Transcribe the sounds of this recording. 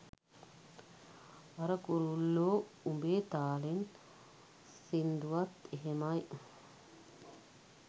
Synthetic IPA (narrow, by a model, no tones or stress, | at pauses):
ɐɾəkuɾulːoː | umbeːt̪aːlen | sind̪uʋat̪eɦemaj